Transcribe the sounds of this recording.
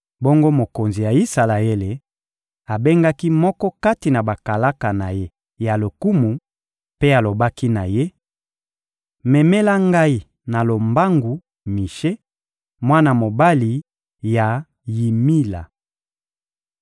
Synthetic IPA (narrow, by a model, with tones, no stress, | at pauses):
bo˦ŋɡo˦mo˨ko˨nzi˨ja˨i˦sa˨la˨e˦le˨ | a˨be˦ŋɡa˦ki˦mɔ˦kɔ˦ka˦ti˨na˨ba˨ka˨la˦ka˨na˨je˦ | ja˨lo˨ku˦mu˨ | pe˦a˨lo˨ba˦ki˦na˨je˦ | mɛ˨me˦la˦ŋɡa˦i˨ | na˨lo˨mba˦ŋɡu˨ | mi˨ʃe˦ | mwa˦na˨mo˨ba˦li˨ | ja˨ | ji˨mi˦la̰˨